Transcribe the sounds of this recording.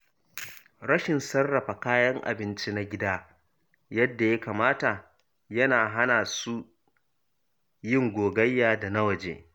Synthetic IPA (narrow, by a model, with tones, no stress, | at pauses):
ɽɐ˦ʃɪ˨nsɐ˦rːɐ˨ɸa˨kaː˦jɐ˦ŋʔa̰˨bɪ˦nt͡ʃi˦na˦ɡʲɪ˦daː˦ | jɐ˦dːa˨ja˦kaː˨maː˦ta˨ | jɐ˦naː˨ɦa˦naː˨su˦ | jɪ˦ŋɡʷoː˨ɡɐ˦jːaː˨da˨na˦wɐ˨d͡ʒḛː˨